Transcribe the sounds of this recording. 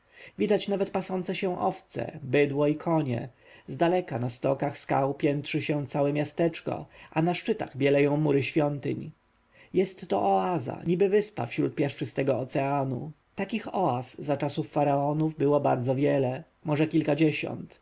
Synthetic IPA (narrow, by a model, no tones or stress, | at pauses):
vʲid̪at͡ɕnavɛt̪̚pasɔnt̪sɛɕɛ̃ʔɔft̪sɛ̰bɘd̪wɔikʰɔɲɛ̰ | zd̪alɛkanast̪ɔkaxska̰wpʲjɛnt̪ʂɘɕɛ̃t̪sawɛmʲjast̪ɛt͡ʂkɔ̰anaʂt͡ʂɘt̪a̰ɣbʲjɛlɛjɔ̃w̃muɾɘɕfʲjɔnt̪ɘ̰ɲ | jɛst̪ːɔʔɔaza̰ɲibɘvɘspa̰fɕɾṵt̪̚pʲjaʂt͡ʂɘst̪ɛɡɔːt̪sɛanṵ | t̪akʲixɔasːat͡ʂasufːaɾaɔnuvbɘwɔbaɾd̪zɔvʲjɛlɛ | mɔʐɛkʲilkad͡ʑɛɕɔ̰nt̪